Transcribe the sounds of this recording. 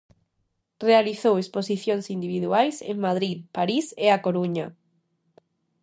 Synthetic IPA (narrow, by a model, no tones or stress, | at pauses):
realiθowesposiθjoŋsind̪iβiðuajsḛŋmaðɾiðpaɾiseakoɾuɲa